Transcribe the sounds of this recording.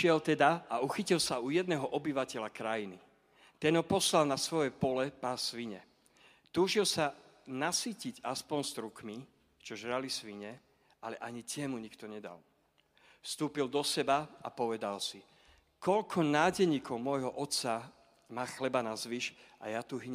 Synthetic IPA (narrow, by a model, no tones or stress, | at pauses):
ʃɪɛlt̪ɛd̪aauxicilsaujɛd̪̚nɛːɦɔʔɔbiʋacɛʎakɾajini | t̪ɛnɦɔpɔslalnasʋɔjɛpɔlɛpaːsʋiɲɛ | t̪uːʒilsanasiːciɟaspɔnst̪ɾukmi | t͡ʃɔʒɾalisʋiɲɛ | alɛʔaɲit̪ɪɛmuɲikt̪ɔɲɛd̪a̰l | fst̪uːpild̪ɔsɛbaapɔʋɛd̪alsi | kɔʎkʰɔnaːɟɛɲiːkʰɔʊmɔjɦɔʔɔt̪sa | maːxlɛbanazʋiːʃʔa̰jat̪uɦiɲ